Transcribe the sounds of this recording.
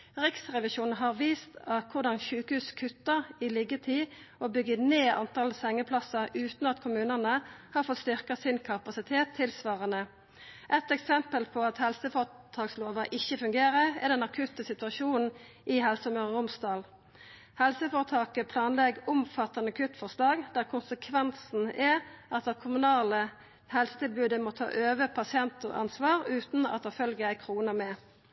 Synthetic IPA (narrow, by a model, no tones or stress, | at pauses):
ʁɪksʁɛʋɪʃuːnn̩ɦɑʁʋiːst̪ɑkʰʊʁd̪ɑnʃʉːkəhʉːskʰʉt̪ːəʁɪlɪɡət̪ʰiː | obʏɡəneːʔɑ̰nt̪ʰɑlsɛŋːəpʰlɑsɑʁʉːt̪nɑt̪kʰʊmʉːnənəhɑːʁfɔt̪st̪ʏʁkɑsɪnkʰɑpɑsɪt̪ʰeːt̪ʰːɪlsʋɑːʁənə | ʔɛt̪ɛksɛmpəlpʰɔɑt̪hɛlsəfoːt̪ʰɑːksloːʋɑʔɪçːəfʉŋɡeːʁəɛ̰d̪ɛnɑkʰʉt̪əsɪt̪ʉɑʃuːnn̩ | ʔɪɦɛlsəmøːʁəʁʊmsd̪ɑːl | hɛlsəfoːʁət̪ʰɑːkəpʰlɑːnlɛɡʊmfɑt̪ːɑnəɑkʰʉt̪fɔʁʂlɑːɡd̪æʁkʰʊnsəkʰʋɛnsn̩ɛɑt̪̚d̪ɛkʰʊmʉnɑːlə | hɛlsət̪ɪlbʉːd̪əmɔt̪ʰɑ̰ːʔøːʋəpʰɑsɪɛnt̪ɔ̰ʔɑ̰nsʋɑːʁʉːt̪n̩ɑ̰t̪̚ːɛfœlɡəæɪkʰʁuːnəmɛ